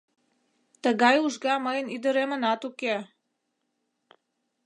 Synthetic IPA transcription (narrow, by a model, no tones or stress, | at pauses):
t̪əɣɑjuʒɣɑməjənid̪əɾemənɑt̪uke